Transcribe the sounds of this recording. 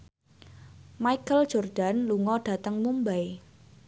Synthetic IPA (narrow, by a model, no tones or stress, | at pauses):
maikəl̥ʒ̥ɔrd̥anluŋɔɖ̥a̤t̪əŋmumbaj